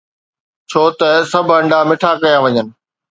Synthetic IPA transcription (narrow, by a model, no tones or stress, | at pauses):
t͡ɕʰoːt̪ɐsɐbʱɐ̃ɳɖamɪʈʰakɐjãːʋɐɲənɪ̆